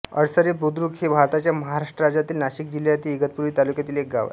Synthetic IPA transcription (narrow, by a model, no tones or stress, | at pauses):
ə̰ɽsəɾepud̪ɾukʰhebʱaɾt̪at͡ɕjaməɦaɾaʂʈɾəɾad͡zat̪iːlnaɕik̚d͡ʑiljaɾt̪iːɡət̪̚puɾʋiːt̪alukjat̪iːlek̚ɡa̰ʋa̰